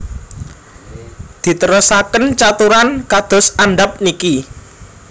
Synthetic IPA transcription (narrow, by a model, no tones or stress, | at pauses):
d̪̥i̤t̪əɾɔsakənt͡ʃat̪uɾankad̪̥ɔ̤saɳɖap̚niki